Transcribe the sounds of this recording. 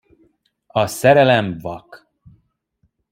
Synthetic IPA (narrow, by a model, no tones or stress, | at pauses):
ɒsɛɾɛlɛɱvɒk